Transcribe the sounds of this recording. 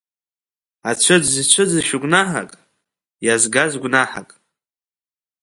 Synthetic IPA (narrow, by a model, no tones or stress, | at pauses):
at͡ʃʷʰɨd͡zzit͡ʃʷʰɨd͡ziʃʊɡʷʼnaħa̰kʼ | jazɡazɡʷnaħakʼ